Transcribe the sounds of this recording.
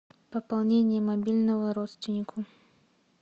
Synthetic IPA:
pəpalˠnʲenʲɪjɛmɐbʲilʲnəvəɾɔt̪st̪vʲɪnʲɪkʰʊ

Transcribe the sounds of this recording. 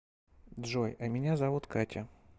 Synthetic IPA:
d̪ʐojɐmʲɪnʲazɐvut̪katʲə

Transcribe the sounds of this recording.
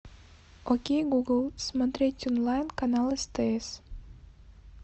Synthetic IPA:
okʲejɡuɡəlˠsmat̪ɾetʲɔnlˠajnkanalˠɨst̪ɨes

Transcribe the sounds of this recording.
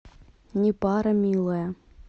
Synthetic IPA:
nʲɪpɑɾɐmʲilˠɐjɐ

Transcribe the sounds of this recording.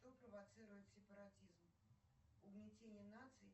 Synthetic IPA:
t̪ɔpɾɐvat̪sɨɾujʊt͡sʲsʲɛpɐɾat̪ʲizm | unʲɛt͡sʲenʲːɛnat̪sɨj

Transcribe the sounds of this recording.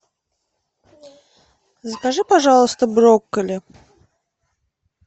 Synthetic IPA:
skaʐɨpaʐalˠəst̪əbɾokːəlʲɪ

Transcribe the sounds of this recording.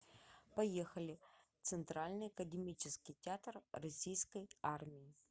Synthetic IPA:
pɐjexɐlʲɪt̪sɨnt̪ɾalʲnɨjɐkədʲɪmʲit͡ɕɪskʲɪjtʲɪat̪rrɐsʲijskəjarmʲɪjɪ

